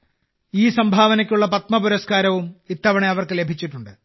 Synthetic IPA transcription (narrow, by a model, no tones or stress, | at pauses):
iːsɐmbʱaːʋɐnɐkʲːuɭːɐpɐt̪̚mɐpuɾɐskaːɾɐʋumit̪ːɐʋɐɳeɐʋɐrkɨle̞bʱit͡ɕːiʈːuɳɖɨ